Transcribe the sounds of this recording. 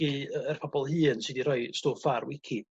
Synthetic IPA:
iəərpʰɔbɔlˠhɨːnsɨdiɾɔjstoːfarwɪkʰi

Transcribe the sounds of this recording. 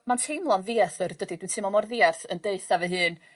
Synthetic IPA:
mantʰejmlˠɔnviːɛθərdədid̥wintʰɨmɔmɔrðiarθəndeɨθavɛɦɨːn

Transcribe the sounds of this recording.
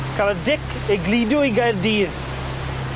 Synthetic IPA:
kʰalədɪkʰ | ɛɡliːdjʊiɡajrdiːð

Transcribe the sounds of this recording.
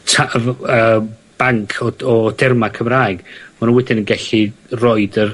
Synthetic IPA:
tʰavəːb̥aŋkʰɔɔd̥ɛrmakʰəmraːɨɡ̥manunwɛdɪnənɡɛɬirɔɨdər

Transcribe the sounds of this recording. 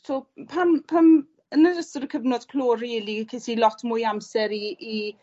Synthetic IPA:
tʰoːlˠpʰanpʰam | ənədəstəɾəkʰəvnɔd̥kʰl̥oːriːlˠikʰesilɔtʰmujamsɛɾii

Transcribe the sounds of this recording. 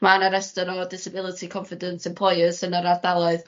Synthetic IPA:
manaɾɛstəɾɔdɪsəbɪlˠətʰikʰɔɱfɪdənsɪ̃mpʰl̥ˠɔjəsənaɾardalˠɔɨð

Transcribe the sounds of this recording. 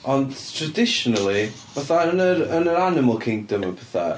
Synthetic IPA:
ɔndtʰradɪʃɔnəlˠi | vaθaənəɾənəɾanɪməlˠkʰɪŋdəməpʰɛθa̰

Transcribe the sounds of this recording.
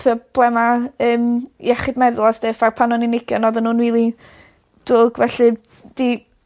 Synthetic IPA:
pʰɔb̥lˠɛmaəːmj̰ɛχɪdmɛðlˠɔsd̥efarpʰanɔnɪnɪɡ̥jɔnɔðənuːnwiːlˠi | d̥ʊɡvɛɬɨ | d̥i

